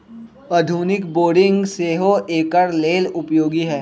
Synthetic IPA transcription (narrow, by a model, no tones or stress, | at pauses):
ɐd̪ʱuːnɪkboːɖɪ̃ŋɡseːɦoʔeːkəɾleːlʊpjoːɡiɦɛː